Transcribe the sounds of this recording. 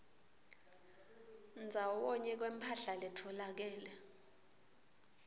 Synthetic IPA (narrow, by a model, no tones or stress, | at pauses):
nd͡zʱawɔɲɛk̬wempʰaɬalɛtʰɔlak̬ɛːlɛ